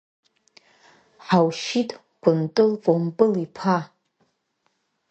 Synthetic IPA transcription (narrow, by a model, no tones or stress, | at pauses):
ħawʃitʰʼ | ɡ̥ʷʊntʼɨlpʼompʼɨlipʰa